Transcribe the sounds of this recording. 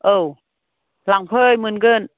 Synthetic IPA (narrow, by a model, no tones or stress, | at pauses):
ʔəːw | laŋpʰəːjmɯnɡən